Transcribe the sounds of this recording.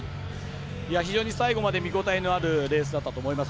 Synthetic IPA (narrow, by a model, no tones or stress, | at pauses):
iaçiʑo̞ːɲ̟isaiɡo̞mad̪e̞mʲiɡo̞t̪aino̞aɾɯ̟ɾe̞ːs̬ɨd̪at̪ːat̪o̞ːmoimas